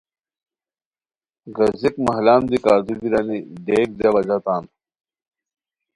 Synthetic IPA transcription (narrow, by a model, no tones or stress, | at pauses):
ɡɐzikmɐɦlaːnd̪ikaːɾd̪ubiɾɐniɖeːk̚d̪ɐʋɐd͡ʑat̪aːn